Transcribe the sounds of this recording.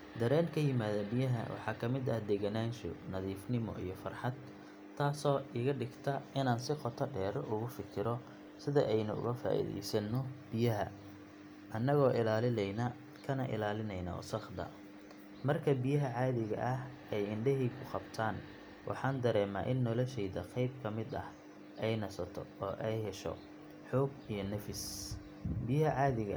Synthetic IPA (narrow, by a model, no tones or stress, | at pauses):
d̪ɐɾɛːnkʰɐjɪmaːðɐbɪjɐɦɐ̰wʔɑ̰ħɑːkʰɐmɪd̪ɐhd̪ɛɣɐnaːnʃɔ̰nɐðiːfnɪmɔ̰ʔḭjɞfɐrħɑd̪ʰː | aːsɔːiːɣɐɖɪɡt̪ʰɐɪnaːnsɪqɔt̪ʰɐɖɛːɾʔʊɣʊfɪkʰɪɾɔ | sɪðɐ̰ʔɛjnʊʊ̰ɣɐfa̰ːʔḭðɛ̰jsɐnɔb̥ɪjɐɦɐ̰ | ʔɐnːɐɣɔːʔɪlaːlɪnɛjnɐ | kʰɐnɐ̰ʔɪ̰laːlɪnɛjnɐ̰sɐχd̪ɐ̰ | mɐrkʰɐbijɐɦɐʕɑːðɪɣɐ̰ʔɐh | ɛjɪɳɖɛɦiːkʰʊqɑbt̪ʰaːn | wʔɑ̰ħɑːnd̪ɐɾɛːma̰ːʔɪnːɔlɔʃɛjðɐqɑjb̚kʰɐmɪd̪ɐ̰h | ʔɛjnɐsɐt̪ʰɔ̰ɔːʔɛjɦɛʃɔ̰ | ħɔːɡ | ijɞnɐfɪs | bijɐɦɐʕɑːðɪɣɐ